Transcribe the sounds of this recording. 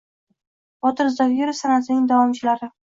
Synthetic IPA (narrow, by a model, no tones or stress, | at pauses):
bɒt̪ʰɪɾzd̪aɡʲeɾɪsanasɪnɪŋd̪awɒmt͡ʃʰɪlaɾɪ